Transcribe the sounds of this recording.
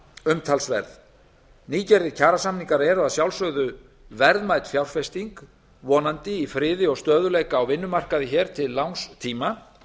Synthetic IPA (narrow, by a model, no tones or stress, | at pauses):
ʏmt̪ʰalsvɛ̰ɾð | niːcɛɾðɪcʰaːɾasamniŋkaɾɛɾʏaðsjawlsœɣðʏ | vɛɾðmaːjt̪fjawɾ̥fɛst̪iŋk | vɔːnant̪ɪifɾɪːðɪɔɣst̪œːðʏleːjkaːwvɪnːʏmar̥kaðɪçɛːɾ̥t̪ʰɪlːawŋst̪ʰiːma